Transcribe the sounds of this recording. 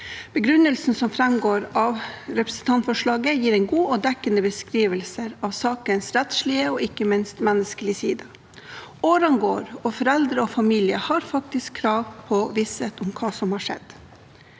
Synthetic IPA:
b̥əɡɾʉnəlsn̩sɔmfɾɛmɡoːɾɑʋɾɛpɾə̥sn̩t̪ʰɑnt̪fɔʂɭɑːɡəjiːɾɛɪnɡuːɔd̪ɛkːənəbəskɾiːʋəlsəɾɑʋsɑːkənsɾɛt̪ʂɭɪəɔɪkːəmɪnst̪mɛnːəskəlɪsiːd̪ɑ | oːɾɑnɡoːɾɔfɔɾɛld̪ɾəɔfɑmiːlɪəhɑɾfɑk̚t̪ɪskʰːɾɑːʋpʰɔʋisət̪ʊmkʰɑːsɔmhɑːʂɛ̰d̪̥

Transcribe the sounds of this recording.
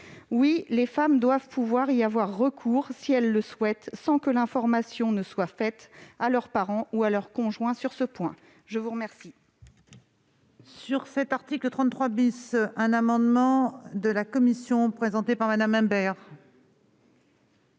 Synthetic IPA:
wilefamd̪wavpuvwaʁiavwaʁːəkʰuːʁsiɛlːəswɛt̪sɑ̃kəlɛ̃fɔʁmasjɔ̃nəswafɛt̪alœʁpaʁɑ̃ualœʁkɔ̃ʒwɛ̃syʁsəpwɛ̃ | ʒəvuʁəmɛʁsi | syʁsɛt̪aʁt̪iklət̪χɑ̃t̪t̪χwabisɛ̃namɑ̃d̪mɑ̃d̪əlakɔmisjɔ̃pχezɑ̃t̪epaʁmad̪amɛ̃bɛʁ

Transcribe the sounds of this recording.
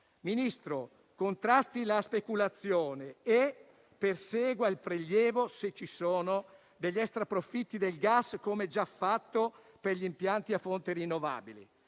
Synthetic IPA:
minist̪ɾo | kont̪ɾast̪ilaspekulat̪sːjoːnee | persɛːɡwailpɾeʎːɛːvoset͡ʃːisoːno | d̪eʎːɛst̪ɾapɾofit̪ːid̪elɡaskomed͡ʒafːat̪ːo | perʎimpjant̪iafːont̪eɾinːova̰ːbilḛ

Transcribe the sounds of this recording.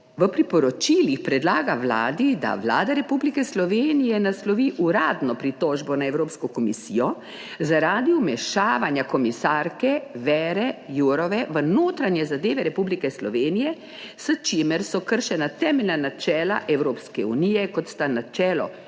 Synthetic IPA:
ʋəpɾipɔɾɔt͡ʃiːlixpɾɛd̪laːɡaʋla̰ːd̪id̪a̰ʋla̰ːd̪aɾɛpublikɛslɔʋeːnijɛnaslɔʋiːʔuɾaːd̪nɔpɾit̪ɔːʒbɔnaɛwɾoːpskɔkɔmisijɔ | zaɾaːd̪iumɛʃaːʋanjakɔmisaːɾkɛʋɛːɾɛjuɾɔʋɛʋənoːt̪ɾanjɛzad̪eːʋɛɾɛpublikɛslɔʋeːnijɛ | sət͡ʃeːməɾsɔkəɾʃɛnat̪ɛːmɛlnanat͡ʃɛːla̰ʔɛwɾoːpskɛuniːjɛkɔt̪st̪anat͡ʃɛːlɔ̰

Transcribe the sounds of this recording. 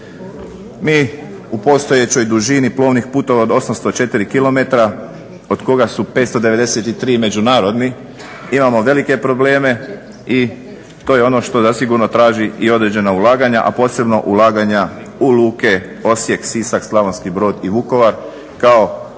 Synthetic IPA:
miː | upo̞st̪o̞jet͡ɕo̞jd̪uʒiniplˠo̞ːʋnixpuːt̪o̞ʋaod̪o̞samst̪o̞t͡ʃe̞t̪iɾikilo̞met̪ɾa | o̞d̪ko̞ɡasupet̪st̪o̞d̪e̞ʋe̞d̪e̞set̪it̪ɾiːme̞d͡ʑunaːɾo̞d̪ni | imamo̞ʋe̞like̞pɾo̞ble̞ːme̞ | i | t̪oːjeo̞no̞ʃt̪o̞zasiɡuɾno̞t̪ɾaːʒiio̞d̪ɾe̞d͡ʑe̞naulˠaːɡaɲa̰ʔa̰po̞se̞bno̞ʔulaːɡaɲa | uluːke̞ | o̞sje̞ksisakslˠaʋonskibɾo̞ːd̪iʋuko̞ʋaɾ | kao̞

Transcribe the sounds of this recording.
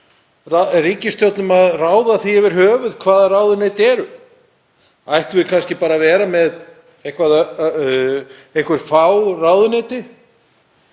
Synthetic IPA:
rariːcɪst̪jowt̪nʏmaðraːwðaθiɛvɛɾ̥hœːvʏðkʰvaːðarawðʏneːt̪ɛːɾʏ | ajht̪vɪkʰanscɪpaːɾavɛːɾamɛð | ejhŋkvaða | ejŋkvɛɾ̥fawrawðʏnɛːt̪ɪ

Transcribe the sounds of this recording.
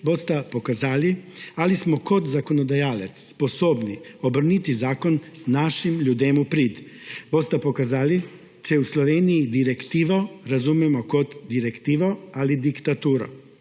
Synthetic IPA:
bost̪apokazaːlialismokod̪zakonod̪ajaːlet̪sːposoːbniobr̩nit̪izaːkonːaʃimʎuːd̪emupɾiːd̪ | bost̪apokazali | t͡ʃɛusloʋeːnijid̪iɾekt̪iːʋoɾazumjɛmokot̪d̪iɾekt̪iːʋoalid̪ikt̪at̪uːɾo̰

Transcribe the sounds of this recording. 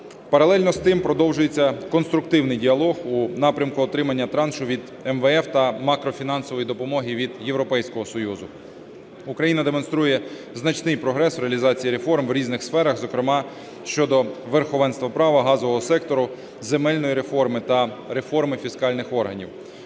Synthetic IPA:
pɐɾɐlˠɛlʲnɔst̪ɪmpɾɔd̪ɔwʒʊjet͡sʲːɐkɔnst̪ɾʊk̚t̪ɪwnɪjdʲiɐlˠɔɣunɑpɾʲɐmkʊɔt̪ɾɪmɐnʲːɐt̪ɾɑnʃʊʋʲid̪ | ɛmʋeɛft̪ɐmɑkɾɔfʲinɑnsɔʋɔjid̪ɔpɔmɔɦiʋʲid̪jewɾɔpɛjsʲkɔɦɔsɔjuzʊ | ukɾɐjinɐd̪emɔnst̪ɾujɛ | znɐt͡ʃnɪjpɾɔɦɾɛsʋɾeɐlʲizɑt͡sʲijiɾefɔrmwɾʲiznɪxsfɛɾɐxzɔkɾɪmɑ | ʃt͡ʃɔd̪ɔʋerxɔʋɛnst̪ʋɐpɾɑʋɐɦɑzɔʋɔɦɔsɛk̚t̪ɔɾʊ | zemɛlʲnɔjiɾe̞fɔrmɪt̪ɐɾefɔrmɪfʲiskɑlʲnɪxɔrɦɐnʲḭw

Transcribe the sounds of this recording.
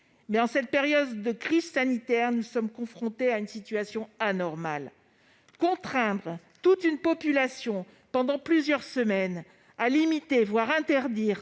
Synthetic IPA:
mɛɑ̃sɛt̪̚peʁjɔd̪d̪əkχizsanit̪ɛʁnusɔmkɔ̃fχɔ̃t̪eaynsit̪ɥasjɔ̃anɔʁmal | kɔ̃t̪χɛ̃d̪ʁ | t̪ut̪ynpɔpylasjɔ̃ | pɑ̃d̪ɑ̃plyzjœʁsəmɛn | alimit̪evwaʁɛ̃t̪ɛʁd̪iːʁ

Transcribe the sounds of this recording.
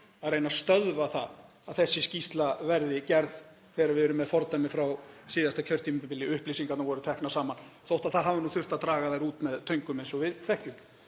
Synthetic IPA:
aðɾejnast̪œðvaθa̰ð | aðθɛsːɪscist̪lavɛɾðɪcɛɾð | θɛːɾavɪðɛɾʏmːɛðfɔɾt̪ajmɪfɾawsiːðast̪acʰœr̥t̪imɪpɪpɪlːɪʏhplis̬iŋkat̪navɔːɾʏt̪ʰɛhknasaːmanθowht̪aðθaðɦaːvɪnuːθʏr̥t̪aðt̪ɾaːɣaðejɾuːt̪mɛðt̪ʰœɥjŋkʏmejnsɔvɪðθɛhkʏm

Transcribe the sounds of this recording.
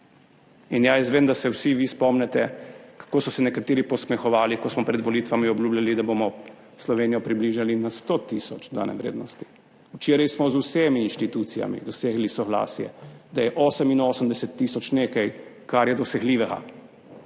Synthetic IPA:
injajɛzʋednd̪asɛwsiʋispɔmnɛt̪ɛkḁkoːsɔsɛnɛkat̪eːɾipɔsmɛxɔʋaːlikɔsmɔpɾɛd̪ʋɔliːt̪ʋamiɔbljuːblʲalid̪abomɔ | slɔʋeːnijɔpɾibliʒalinast̪ot̪isɔt͡ʃd̪a̰ːnɛ̰ʋɾḛːd̪nɔst̪i̥ | ut͡ʃeːɾajsmɔzusemiːnʃt̪it̪ut̪sija̰mḭd̪ɔseɡlisɔɣla̰ːsjɛ̰d̪ajɛʔɔːsəminoːsəmd̪ɛsɛt̪ːisɔt͡ʃneːkajkaɾjɛd̪ɔsɛɣliːʋɛɡa̰

